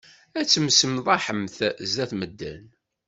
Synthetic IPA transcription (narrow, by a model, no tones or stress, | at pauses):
æt͡sːəmsəmðˤɑħəmθzæθməd̪ːæ̰n